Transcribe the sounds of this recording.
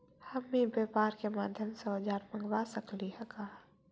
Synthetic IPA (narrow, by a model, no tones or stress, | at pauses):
hɐmːĩbeːpaːɾkemaːd̪ʱjəmsɔːd͡ʒaːɾmɐ̃ŋɡwasəkliɦɛkaː